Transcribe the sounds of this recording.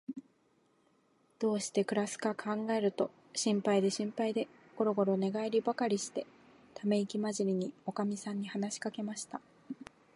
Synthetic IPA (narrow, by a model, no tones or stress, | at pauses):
d̪̥o̞ːɕi̥t̪e̞kɯ̟ɾasɨ̥kakʰãŋɡae̞ɾɯ̟t̪o̞ | ɕĩmpaid̪e̞ɕĩmpaid̪e̞ | ɡ̥o̞ɾo̞ɡo̞ɾo̞ne̞ɡaeɾʲibakaɾʲiɕi̥t̪e̞ | t̪ʰame̞ikʲimaʑiɾʲiɲ̟io̞kamʲisãɲ̟ːihanaɕi̥kake̞maɕi̥t̪a